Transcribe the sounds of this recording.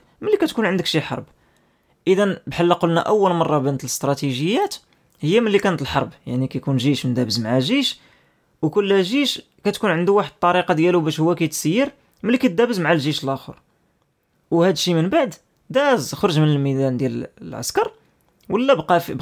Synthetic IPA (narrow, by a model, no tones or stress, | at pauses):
məlːikæt̪kunʕənd̪əkʃiħɑ̰ɾˤb | ʔəd̪ænbħalːæqolnæʔæwːəlmɑrˤːɑbænət̪ələst̪ɾˤɑt̪iʒəjːæt̪ | həjːæməlːikænət̪əlħɑɾˤbjaʕnikæjkunʒiʃmənd̪æbəzmaʕaʒiʃ | wkʊlːʒiʃ | kæt̪kunʕənd̪uwaħəd̪̚t̪ˤːɑɾiqɑd̪jælubæʃhʊwːækæjt̪səjːəɾ | məlːikæt̪̚d̪æbəzmaʕalʒiʃəlʔæxə̰ɾ | whæd̪ʃimənbaʕd̪ | d̪æzxoɾˤʒmənəlmid̪ænd̪jællʕa̰skɑɾˤ | wəlːæbqɑfb